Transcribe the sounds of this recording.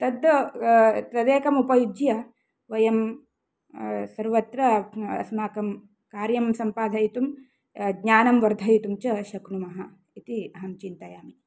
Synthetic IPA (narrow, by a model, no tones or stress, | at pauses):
t̪ɐd̪ɐt̪ɐd̪eːkɐmupɐjud͡ʒjɐ | ʋɐjɐm | sɐɾʋɐt̪ɾɐɐ̰smaːkɐm | kaːɾjɐmsɐmpaːd̪ʱɐjit̪um | ɡɲaːnɐmʋɐɾd̪ʱɐjit̪umt͡ʃɐʃɐknumɐɦɐ | it̪iɐɦɐmt͡ʃint̪ɐjaːmi